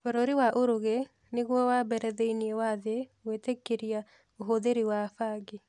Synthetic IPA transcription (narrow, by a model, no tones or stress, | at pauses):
foɾoɾiwaʔoɾoɣe | neɣwɔwabɛɾɛðeiniɛwaðewetekːeɾia | oɦoðeɾiwafaɡe